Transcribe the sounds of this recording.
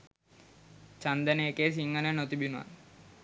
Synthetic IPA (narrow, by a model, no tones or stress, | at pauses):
t͡ɕand̪ɛnekes̬iŋɡanenot̪ibinua̰n